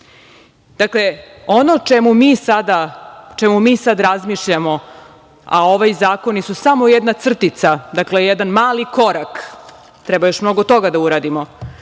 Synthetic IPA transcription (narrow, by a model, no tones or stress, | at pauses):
d̪̥akle | o̞not͡ʃemumisad̪at͡ʃemumiːsad̪ɾazmiʃʎamo̞ | a̰o̞ʋajzaːko̞nisusamo̞jɛd̪nat̪sr̩t̪it̪sad̪aklejɛd̪anmaːliko̞ɾak | t̪ɾɛbajo̞ʃmno̞ɡot̪o̞ɡad̪auɾaːd̪imo